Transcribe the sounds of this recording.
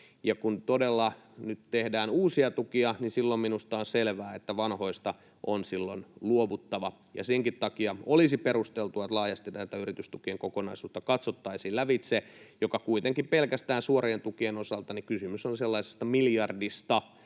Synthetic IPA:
jɑkunt̪odelːɑnyt̪t̪ehdæːnuːsiɑt̪ukiɑninsilːomminust̪ɑonselʋæːet̪ːæʋɑnho̞ist̪ɑ | ʔonsilːonluoʋut̪ːɑʋɑ | jɑ̰seŋkit̪t̪ɑkiɑolisiperust̪elt̪uɑt̪lɑːjɑst̪it̪æt̪æyrit̪yst̪ukieŋkokonɑ̰isuːt̪ːɑkɑt̪sot̪ːɑisiːlæʋit̪sejokɑkuit̪eŋkippelkæst̪æːnsuorient̪ukienosɑlt̪ɑnikysymysonselːɑise̥st̪ɑmiljɑrdist̪ɑ

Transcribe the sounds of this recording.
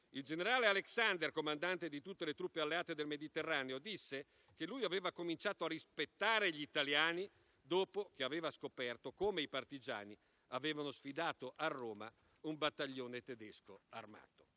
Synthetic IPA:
ild͡ʒeneɾaːlealeksand̪erkomand̪ant̪ed̪it̪ut̪ːelet̪ɾupːealːeaːt̪ed̪elmed̪it̪erːaːneod̪isːe | k̟elːujaveːvakomint͡ʃaːt̪oarːispet̪ːaːɾeʎiit̪aljaːni | d̪oːpok̟eaveːvaskopɛrt̪okoːmeipart̪id͡ʒa̰ːni | aveːvanosfid̪aːt̪oʔarːoːma̰ | umbat̪ːaʎːoːnet̪ed̪ɛskoarma̰ːt̪o̥

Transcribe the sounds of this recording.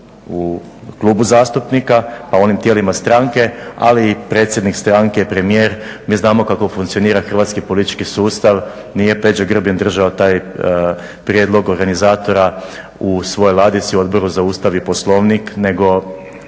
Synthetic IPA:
u | klˠuːbuzaːst̪upnikapauo̞nimt̪jelimast̪ɾaŋke̞a̰liːpɾe̞ːt̪sjed̪nikst̪ɾaŋkeipɾe̞mijeːɾmiːznaːmo̞kako̞fuŋkt̪io̞niːɾaxr̩ʋaːt̪skipo̞lit̪i̥t͡ʃkisuːst̪aʋ | nije̞pe̞d͡ʑoɡr̩bjend̪r̩ʒaot̪aːj | pɾjed̪lˠo̞ɡo̞ɾɡanizaːt̪o̞ɾa | usʋo̞jojlˠaːd̪it̪siuo̞d̪bo̞ɾuzauːst̪aʋipo̞slˠo̞ʋnikne̞ɡo̞

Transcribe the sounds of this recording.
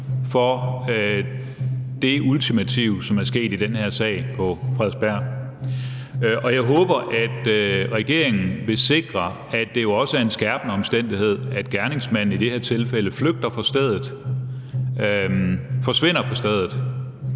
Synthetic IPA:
fɒ̽ | d̥e̝ʔult͡sʰimæt͡sʰiʊ̰sɒ̽mæɐsɡ̥e̝̰ːd̥id̥enheɐ̰sɛ̰ɪ̰pʰɒ̽fʁɛð̰ˠb̥æɐ̰ | ʔɒ̽jɑ̈ɪɦɔ̽ːb̥ɐʔæd̥ʁɛɡ̥e̝ɐ̰e̝ŋn̩ʋe̝se̝ɡ̥ʁɐ | æd̥e̝jo̝ɒ̽səæɐe̝nsɡ̥æɐb̥ənəɒ̽msd̥en̰d̥ihe̝ð̞̰ˠæd̥ɡ̥æɐne̝ŋsmæn̰n̩id̥e̝heɐ̰t͡sʰe̝lfel̰əfløɡ̥̚d̥ɐfɒ̽sd̥ɛð̞̰ˠð̩ˠ | fɒ̽sʋe̝n̰ɐpʰɒ̽sd̥ɛð̞ˠð̩ˠ

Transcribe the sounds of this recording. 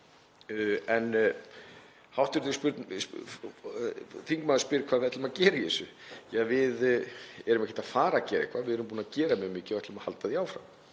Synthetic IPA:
ɛn | hawht̪ɪɾt̪ɪspʏɾt̪n | θiŋkmaðspɪːɾkʰvaːðvɛht̪lʏmacɛːɾɪjɛsʏjavɪðɛɾʏmɛhcɪ̥t̪aðfaːɾacɛːɾihkvavɪðɛɾʏmpuːnacɛːɾamɛɣmɪːcɪavɛt̪lʏmaha̰lt̪aðiaːwfɾa̰m

